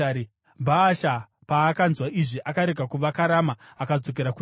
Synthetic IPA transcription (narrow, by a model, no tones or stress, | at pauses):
i | bʱaːʃa | paːkanzwaʔiʐiʔakaɾeɡʱakuʋakaɾamaːkad͡zo̞k̬eɾaku